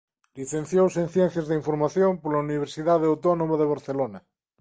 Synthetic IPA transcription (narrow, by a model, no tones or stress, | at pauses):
liθen̟θjowsẽnθjɛn̟θjazðeiɱfoɾmaθjompoɾlauniβ̞eɾsiðað̞eawt̪onomaðeβ̞aɾθelona